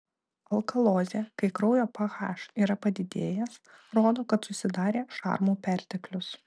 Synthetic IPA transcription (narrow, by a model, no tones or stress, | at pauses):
ɐlˠkɐlˠoːzʲekɐɪkɾɐʊjoːpɐɣɑ̰ːʃiːɾɐpɐd̪ʲɪd̪ʲeːjɛs | ɾoːd̪oːkɐt̪sʊsʲɪd̪ɑːɾʲeːʃɑ̰ːɾmuːpʲæˑɾʲt̪ʲɛklʲʊs